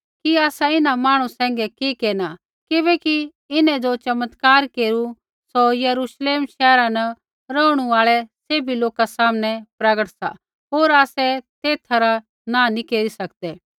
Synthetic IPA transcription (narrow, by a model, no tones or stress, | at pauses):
kiaːsaɪnamaːɽ̃ũsɛ̃ːŋɡɛkikeːna | kɪbɛki | ɪnɛ̃d͡ʒot͡ʃɐmət̪kaːɾkeːɾu | sojɐɾuːʃleːmʃɛːɾãnɐ | ɾəʊɽ̃uaːɭɛseːbiloːkasaːmnɛ̃pɾɐɡəʈsa̰ | ɦoːɾaːsɛt̪eːt̪ʰaɾa | nãnikeːɾisɐkd̪ɛː